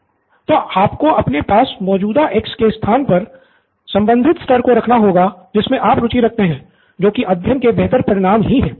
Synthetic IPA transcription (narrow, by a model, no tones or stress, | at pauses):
t̪oːʔaːpkoɐpnepaːsmɔːd͡ʒuːd̪aʔeːkskest̪ʰaːnpɐɾ | sɐ̃mbə̃nd̪ʱɪt̪sʈɐɾkoɾɐkʰnaɦoːɡad͡ʒɪsmẽʔaːpɾʊt͡ʃiɾɐk̚ʰt̪eɦɛ̃ː | d͡ʒoːkiʔɐd̪ʱjənkebɛɦt̪əɾpɐɾɪɽaːmɦiɦɛ̃ː